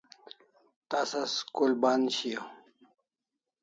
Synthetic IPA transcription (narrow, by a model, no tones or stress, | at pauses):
t̪asaskulbaːnɕijo